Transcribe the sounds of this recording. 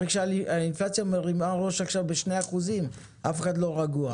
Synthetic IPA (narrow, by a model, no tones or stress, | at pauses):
eɡʃaainflat͡sjameʁimaʁo̞ʃakʃavbeʃneaχuzim | ʔafeχad̪lo̞ʁaɡua